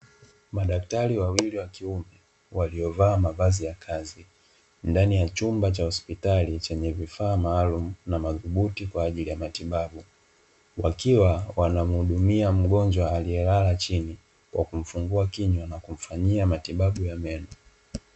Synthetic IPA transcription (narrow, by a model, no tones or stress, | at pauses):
maɗaktaɾiwawiliwakiumɛ | waliɔvaːmavazijakʰazi | ndanijat͡ʃumbat͡ʃahɔspitalit͡ʃɛɲɛvifaːmaːlumunamaðuɓutikwaːʄilijamatiɓaɓu | wakiwawanam̩huɗumiam̩ɠɔnd͡ʒwaːlijɛlalat͡ʃini | kwʔa̰kum̩fuŋɡuakiɲwanakum̩faɲiamatiɓaɓujamɛnɔ